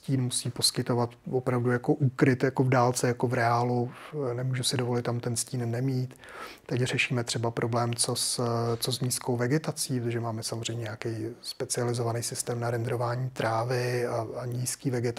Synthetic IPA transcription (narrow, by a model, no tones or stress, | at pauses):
sciːnmusiːpo̞skɪt̪o̞vat̪vopɾavdujakoʔukɾɪt̪jakovdaːlt͡sɛjakovɾɛaːlunɛmuːʒusɪdovolɪt̪ːamt̪ɛnsciːnːɛmiːt̪ | t̪ːɛcr̝ɛʃiːmɛt̪r̥ɛbapɾʔoblɛːmt͡sost͡sozɲiːskowvɛɡɛt̪at͡siːpɾot̪oʒɛmaːmɛsamozr̝ɛjmɲɛɲakɛjspɛt͡sɪalɪzo̞vanejsɪst̪ɛːmnaɾɛnd̪ɾo̞vaːɲiːt̪ɾaːvɪaaɲiːskiːvɛɡɛt̪